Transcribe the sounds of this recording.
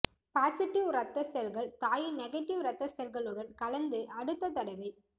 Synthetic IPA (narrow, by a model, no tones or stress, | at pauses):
paːsɪʈːɪʋrɐt̪ːɐsɛlɣɐɭt̪aːjɯnɛɣɐʈːɪʋɾɐt̪ːɐsɛlɣɐɭɯɽɐnkɐlɐnd̪ɯʔɐɽɯt̪ːɐt̪ːɐɽɐɪʋɐɪ